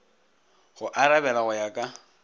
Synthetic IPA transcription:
ɣʊʔaɾabɛlaɣʊjakʼa

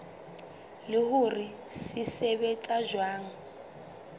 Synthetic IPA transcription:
lɪhʊrisɪsɛβɛt͡sʼaʒwaːŋ̩

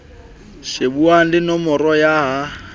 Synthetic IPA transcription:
ʃebuaŋ̩dɪnɔmʊrɔjaha

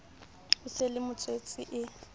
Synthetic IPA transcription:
ʊselɪmʊt͡sʼwet͡sʼɪʔɪ

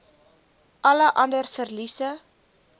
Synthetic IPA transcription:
ʔɐləʔɐndərfərlisə

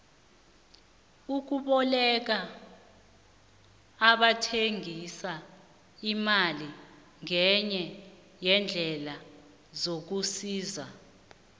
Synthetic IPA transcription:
uk̬uɓɔlɛk̬a | ɓatʰeŋʱisa | imali | ŋɛɲɛ | jɛnd͡ɮʱɛla | zok̬usiːza

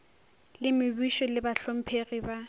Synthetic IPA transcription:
lɪmɪbiʃɔlɪbaɬom̩pʰeɣiba

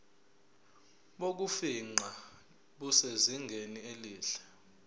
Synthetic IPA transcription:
ɓok̬ufiŋ͡ǀa | ɓuseziŋɡʱenieliːɬɛ̥

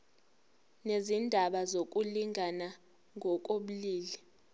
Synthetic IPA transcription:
nezindʱaɓazok̬ʼuliŋʱana | ŋʱɔk̬ʼoɓuliːli

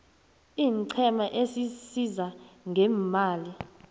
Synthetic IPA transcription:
iːŋǀʰɛmaʔesisizaŋʱɛmaːli

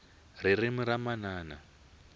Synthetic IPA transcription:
ririmuɾamanaːna̰

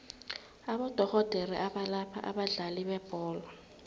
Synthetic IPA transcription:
aɓɔd̥ʱɔɣɔd̥ʱeriʔaɓalapʰa̰ʔa̰ɓaɮaliɓɛb̥ʱɔːlwa

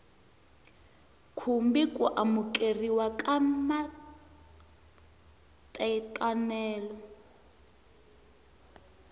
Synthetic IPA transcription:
kʰumbikʼṵʔamukʼeriwakʼama | tʼɛitʼanɛːlɔ

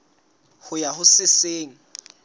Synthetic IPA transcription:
hʊjahʊsɪseːŋ̩

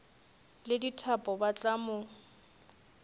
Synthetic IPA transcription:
lɪditʰapʼɔbat͡ɬʼamʊ

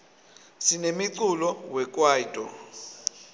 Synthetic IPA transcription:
sinemiǀulɔwɛk̬ʼwaːitʼɔ

